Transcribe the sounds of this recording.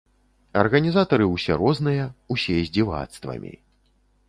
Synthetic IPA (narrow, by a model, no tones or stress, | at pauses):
ɐrɣɐnʲizat̪ɐɾɨwsʲɛ̰ɾɔznɨjɐusʲɛzʲd͡zʲiva̰t̪st̪vɐ̰mʲḭ